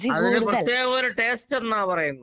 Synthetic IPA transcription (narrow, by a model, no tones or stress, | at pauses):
ɐðinɨprɐt̪ːjeːɣʋɐːɾuʈeːsʈenːaːpɐrɐjunːu